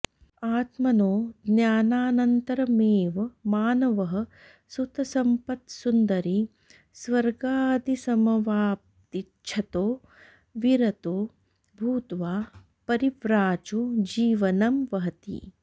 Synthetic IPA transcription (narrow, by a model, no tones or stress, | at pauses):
aːt̪mɐnoːd̪njaːnaːnɐnt̪ɐɾɐmeːʋɐmaːnɐʋɐɦɐ̆ | sut̪ɐsɐmpɐt̪sund̪ɐɾi | sʋɐɾɡaːd̪isɐmɐʋaːp̚ | t̪it͡ʃːʃʰɐt̪oː | ʋiɾɐt̪oː | bʱuːt̪ʋaː | pɐɾiʋɾaːt͡ʃud͡ʒiːʋɐnɐmʋɐɦɐt̪ḭ